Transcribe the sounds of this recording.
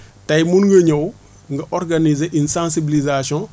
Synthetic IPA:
tɐjmunŋɡəɲɐw | ŋɡɐʔɔrɡanizeʔinsãnsibilizasɔ̃

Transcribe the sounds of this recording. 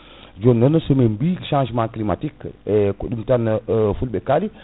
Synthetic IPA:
d͡ʒonːənəsomembiʃãʒmãklima̰tikekuɗumtanfulbekali

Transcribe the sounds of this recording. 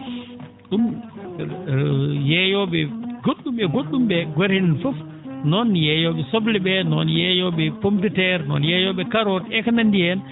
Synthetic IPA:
ɗum | jɛjɔɓɛɡoɗːumɓɛɡoɗːumɓɛɡaɾhininfɔf | nɔnjɛjɔɓɛsoblɛɓɛnɔ̰njɛjɔɓɛpomtɛtɛɾnɔ̰njɛjɔɓɛkaɾɔtɛkanandijɛn

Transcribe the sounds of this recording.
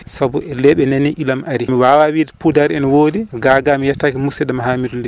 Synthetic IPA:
sabuɛlɛɓɛnenːiʔilamʔaɾimiwawawidɛpudaɾɛnwodiɡaːɡamijatːakimusɛɗamaɦaːmiɾli

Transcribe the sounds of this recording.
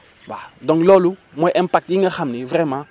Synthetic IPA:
wa̰dɔ̃ŋklɔlumwɛʔɛ̃mpak̚tiŋaxamnivɾɛmã

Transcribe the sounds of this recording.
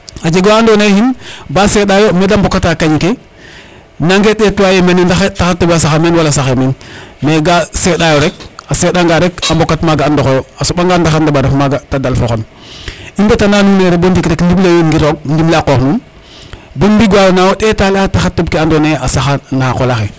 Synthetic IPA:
ad͡ʒeɡoaandonehinbaseɗajomedambokatakaɲke | naŋɡeɗetuwajemenandaxetaxatːobasaxameːnwalasaxeminmeɡaseɗajoɾek̚asedaŋɡaɾekambokːatmaɡaandoxojoasobaŋɡandaxandabaɾafmaɡatadalfoxon | imbetanaːnuːneɾebondikɾekndiblewinɡiɾoɡ̚ndiblakoknuːn | bonbiɡwajonawoɗetaliataxatːobkeandoneasaxanakolaxe

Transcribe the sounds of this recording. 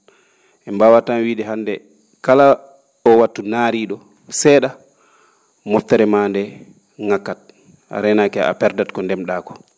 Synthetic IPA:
ʔɛmbawatamwiːɗɛɦandɛ | kala | ɔwatːunaɾiɗɔ | sɛːɗa | mɔftːɛɾɛmandɛ | ŋakːat̚ | a̰ɾɛnakɛʔa̰pɛɾdatkɔndɛmɗakɔ̥

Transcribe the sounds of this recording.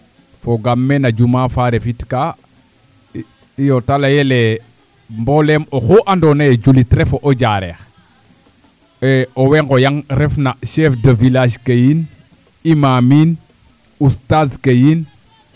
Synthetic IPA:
foɡamːenad͡ʒumafaɾefitka | ijotalajele | mbolemoxoʔandonajed͡ʒulitɾɛfoʔoɟaɾḛx | eoweŋɡojaŋɾefnaʃɛfdəvilaʃkəjin | imamin | ustazkəjin

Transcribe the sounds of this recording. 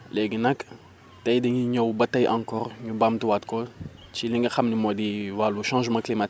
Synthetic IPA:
lɛɡənɐk | tɐjdɐɲuɲowbɐtɐjʔãŋkɔːɾɲubamtiwatkɔt͡ʃiliŋɡɐxɐmnimodiwaluʃãːʒmɐ̃klimat

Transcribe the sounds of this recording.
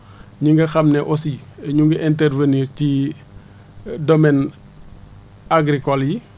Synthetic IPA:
ɲiŋɡɐxɐmnɛʔɔsiɛɲuŋɡɐʔɛntɛrvəniːɾci | dɔmɛn | aɡɾikɔlji

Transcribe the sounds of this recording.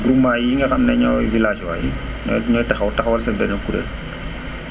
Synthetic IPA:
ɡɾumːajiŋɡɐxɐmnɛɲɔwjvilaːd͡ʒwa̰jḭ | nɔ̰ɲɔːjtɐxɐwtɐxwɐlsɛbɛnɐkuɾɛ̰l

